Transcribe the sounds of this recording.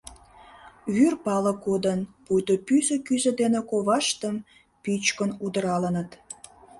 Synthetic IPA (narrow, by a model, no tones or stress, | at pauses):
βyrpɑlə̆kod̪ənpujt̪opyzə̆kyzĕd̪enekoβɑʃt̪əm | pyt͡ɕkənud̪əɾɑlənət̪